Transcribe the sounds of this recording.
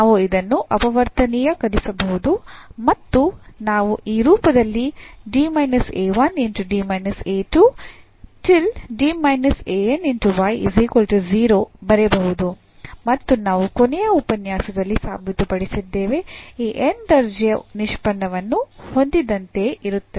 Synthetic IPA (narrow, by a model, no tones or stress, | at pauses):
aːʋuid̪ɐnːuʔɐpɐʋɐɾt̪ɐnijɐkɐd̪isɐbɐɦud̪umɐt̪ːunaːʋuʔiːɾuːpɐd̪ɐlːiɖiːmɐjnɐseːʋɐneɳʈuɖiːmɐjnɐseːʈu | ʈilɖiːmɐjnɐseːeneɳʈuʋɐjzikolʈuziːɾoːbɐɾebɐɦud̪u | mɐt̪ːunaːʋukonɛjɐupɐnjaːsɐd̪ɐlːisa̰ːbʱit̪upɐɽisid̪ːeːʋe̞iːʔenɖɐɾd͡ʒijɐniʃpɐɳːɐʋɐnːuho̞nd̪id̪ɐnt̪e̞ʔiɾut̪ːɐe